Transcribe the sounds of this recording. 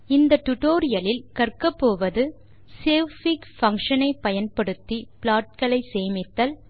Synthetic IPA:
ɪnd̪ɐʈʊʈoːɾɪjɐlɪlkɐrkɐpːoːʋɐðɯ | seːfɪkfɐŋkʂɐnɐɪpːɐjɐnpɐɽɯt̪ːipɪlaːʈ̚kɐɭɐɪseːmɪt̪ːɐl

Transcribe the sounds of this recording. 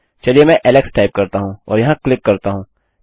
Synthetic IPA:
t͡ʃɐliemɛ̃ʔɛlɛksʈaːɪp̚kɐɾt̪aɦũɔ̰ːɾjɐɦãklɪkːɐɾt̪aɦũː

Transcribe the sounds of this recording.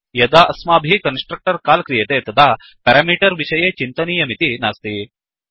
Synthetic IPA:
jɐd̪aːʔɐsmaːbʱikɐnsʈɾɐk̚ʈɐɾkaːlkɾijet̪eːt̪ɐd̪ʱaː | pɐɾaːmiːʈɐɾʋiʃɐjeːt͡ʃint̪ɐniːjɐmit̪inaːst̪i

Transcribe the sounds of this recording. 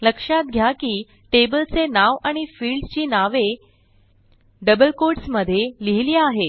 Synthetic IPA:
ləkʂat̪̚ɡʱjakiː | ʈebəlt͡senaʋaɽ̃ifiːɭɖt͡ɕiːnaʋe | ɖəbəlkoʈsməd̪ʱːjeliɦiliːaɦe

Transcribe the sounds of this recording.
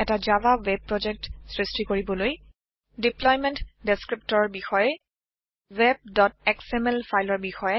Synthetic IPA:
ɛtazabawɛb̚pːɹɔd͡ʒɛk̚tsɹistikoɹibɔloj | diplɔjmɛntdeskɹip̚tɔɹɔbixɔjɛ | wɛb̚dɔtɛksɛmɛlfʰajlɔɹbixɔjɛ

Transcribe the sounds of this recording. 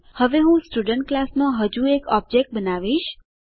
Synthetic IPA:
həʋeɦũsʈuɖəɳʈ̚klasmãɦəd͡ʒuekɔb̚d͡ʒek̚ʈ̚bənaʋiʃ

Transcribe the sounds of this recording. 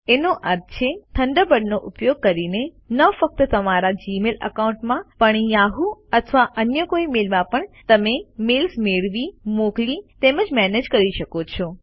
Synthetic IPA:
enoʔəɾt͡ʃʰet̪ʰəɳɖəbəɽnoʔʊpjoɡ̚kəɾine | nəfək̚t̪ət̪əmaɾad͡ʒimelə̰kaũɳʈmãpəɳjaɦuət̪ʰʋaʔənjəkoimelmãpəɳt̪əmemelsmeɭʋimoklit̪eməd͡ʒmɛned͡ʒkəɾiʃəkot͡ʃʰo

